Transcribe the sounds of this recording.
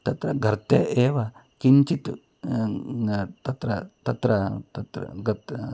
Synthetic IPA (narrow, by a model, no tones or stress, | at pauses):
t̪ɐt̪ɾɐɡʱɐɾt̪eʔeːʋɐ | kiɲt͡ʃit̪u | t̪ɐt̪ɾɐt̪ɐt̪ɾɐt̪ɐt̪ɾɐ̰ɡɐt̪